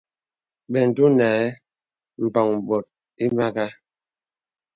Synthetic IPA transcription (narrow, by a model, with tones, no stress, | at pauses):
bɛ˨n̩˨tu˦na˨˦ | m̩˨pɔ˨ŋbɔ˨t̚ | i˦ma˦ka˦